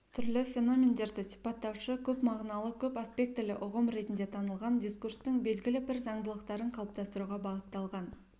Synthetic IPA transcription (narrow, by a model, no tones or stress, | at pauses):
t̪ʰʏɾlɪfʲe̞no̞mʲe̞nd̪e̞ɾd̪ɪsi̥pɑt̪ːɑwʃəkʲʰɵpmɑʁnɑlˠəkʲʰɵpaspʲe̞k̚t̪ːɪlɪʔʊʁəmɾe̞t̪ɪnd̪e̞t̪ʰɑnəlˠʁɑnd̪ʲiskurst̪əŋbe̞lɡʲɪlɪbɪɾzɑɴd̪əlˠəqt̪ɑɾəɴqʰɑlˠəp̚t̪ɑst̪əɾuʁɑbɑʁət̪ːɑlˠʁɑn